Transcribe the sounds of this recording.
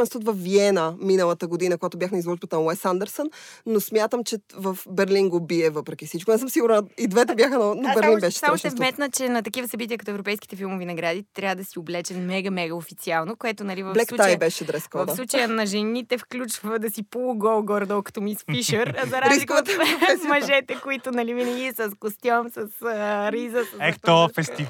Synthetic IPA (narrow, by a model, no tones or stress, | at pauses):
ɛnst̪ot̪vɐfviɛnəminəlˠət̪əɡod̪inəkojat̪ʊbjaxnɐizvɔʒbət̪ənɐlɛsand̪ɛɾsənːosmʲjat̪əmt͡ʃɛvəfbɛɾlinɡobiɛvəpɾɛkʲifsit͡ʃkonɛsəmsiɡʊɾnid̪vɛt̪ɛbʲjaxənnobɛɾlinbɛʃɛ̥saɾmaʃɛɛsmɛt̪nət͡ʃɛnɐt̪ɐkivəsɐbit̪iəkɐt̪ɔɛvɾopɛjskit̪ɛfilˠmovinɐɡɾad̪iɛt̪ɾʲavəd̪ɐsioblɛt͡ʃɛnmɛɡəmɛɡəofit̪sialˠnokoɛt̪onɐlivɐblɛskˠuajbɛʃɛd̪ɾɛskɔvɐfflˠut͡ʃəjənɐʒɛnit̪ɛfklʲut͡ʃvəd̪ɐsipulˠɡɔlˠɡɔɾd̪ɔlˠkɐ̥t̪omispiʃəɾzɐɾazɾilikot̪ɛmɐʒɛt̪ɛkoit̪ʊnɐlivinɐɡʲiɛsɐskost̪ʲjɔmsəsɾizəɐsɛkt̪ɔfɛst̪i